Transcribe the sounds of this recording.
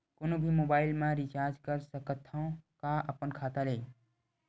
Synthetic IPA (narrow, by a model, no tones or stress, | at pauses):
konobʱimobaːɪlmãɾit͡ʃaɾd͡ʒkəɾsəkət̪ʰːə̃kaʔəpənkʰat̪alej